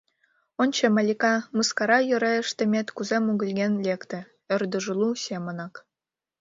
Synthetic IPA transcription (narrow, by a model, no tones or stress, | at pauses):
onʲt͡ɕemɑlʲikɑmɯskɑɾɑjø̆ɾeə̆ʃt̪ĕmʲet̪kuzemuɣə̆lʲɡenlʲekt̪ĕ | ø̆rd̪ə̆ʒɤ̆lˠusʲemə̆nɑk